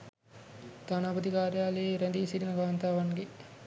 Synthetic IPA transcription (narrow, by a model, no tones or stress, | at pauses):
d̪anaːbɐt̪ikaːɾjaːleːɾɛnd̪iːsiɾinɐɡaːnt̪aːʋanɡe